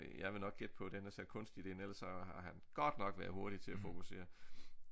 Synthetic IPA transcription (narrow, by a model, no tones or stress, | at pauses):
jɑ̈ɪʋe̝nɒ̽ɡ̥̚ɡ̥ed̥̚pʰɒ̽d̥enəsekʰɔ̽nsd̥id̥e̝ːnelɐsɒ̽hɑ̈ɦænɡ̥ɒd̥nɒ̽ɡ̥ʋæɐðˠɦo̝ɐd̥it͡sʰe̝læfo̝kʰuse̝̰ːɐ